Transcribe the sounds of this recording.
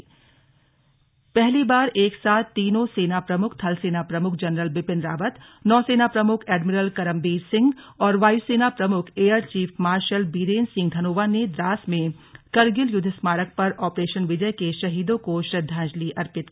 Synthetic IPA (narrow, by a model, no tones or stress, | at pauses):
pɛɦlibaːɾeːksaːt̪ʰt̪ːiːnõseːnapɾɐmʊkʰt̪ʰɐlseːnapɾɐmʊkʰd͡ʒɐnɾəlbɪpɪ̃nd̪ɾaːʋət̪ | nɔːseːnapɾɐmʊkʰɛːɖmɪɾəlkɐɾə̃mbiːɾsɪ̃ŋɡ | ɔːɾʋaːjseːnapɾɐmʊkʰeːəɾt͡ʃiːfʰmaːɾʃəlbiːɾeːnsɪ̃ŋɡ̚d̪ʱɐnoːʋaned̪ɾaːsmẽ | kɐɾɡɪljʊd̪ʱɪsmaːɾək̚pɐɾɔːpɾeːʃənʋɪd͡ʒəkeʃɐɦiːd̪õkoʃɾɐd̪ʱːãːd͡ʒliʔɐɾpɪt̪ː